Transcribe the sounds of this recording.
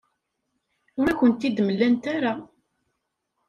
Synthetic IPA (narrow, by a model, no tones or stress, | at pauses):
ʊɾækʷːənt̪ːid̪məlːænt̪aɾa